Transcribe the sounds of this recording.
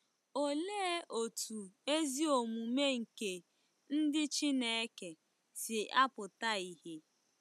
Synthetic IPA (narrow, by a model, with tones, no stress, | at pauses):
o˨le˦ʔo˨tʰu˨e˦zi˦o˨mu˨me˦ŋ̩˨ke˨ | n̩˦dɪ˦t͡ʃi˦ne˦˨e˦ke˨ | sɪ˨a˦pʊ˨ta˦i˨ɦe˨